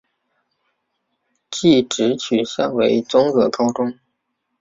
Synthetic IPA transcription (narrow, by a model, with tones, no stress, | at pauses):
t͡ɕi˥˩ʈ͡ʂɻ̩˧˥t͡ɕʰy˨˩ɕjɑ˥ŋwe˧˥ɪt͡sʊ˥ŋɤ˧˥kɑ˥ʊʈ͡ʂʊ˥ŋ